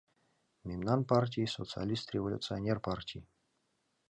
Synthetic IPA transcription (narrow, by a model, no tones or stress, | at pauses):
mʲimnanpartʲiisot̪sɨa̰lʲist̪ɾʲevolʲʊ̰t̪sɨanʲerpartʲiː